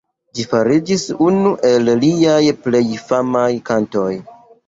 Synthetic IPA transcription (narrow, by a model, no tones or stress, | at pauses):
d͡ʒifaɾid͡ʒisunuʔe̞lliajple̞jfamajkanto̞j